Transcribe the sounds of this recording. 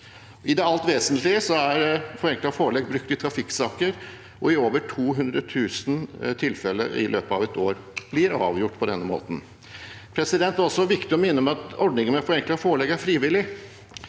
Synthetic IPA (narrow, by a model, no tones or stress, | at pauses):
ɪd̪ɛɑlt̪ʋeːsənt̪lɪəsɔæɾfɔɾɛŋklɑfoːɭɛɡbɾʉkt̪ɪt̪ʰɾɑfɪkːsɑːkəɾ | ʔɔɪoːʋəʈʰuːɦʉnd̪ɾət̪ʰʉːsnt̪ʰɪlfɛlːə̰ɪ̰lʔøːpəɑʋɛt̪oːɾ | b̥lɪɾɑ̰ːʋjʊʈːpʰɔd̪ɛnːəmo̰ːt̪n̩ | pʰɾɛsɪd̪ɛnt̪ɾɔsːɔʋɪkt̪ɪɔmɪnːəmɛɑt̪ɔɖɳɪŋənmɛfɔɾɛŋklɑfoːɭɛːɡæɾfɾiːʋɪlːɪ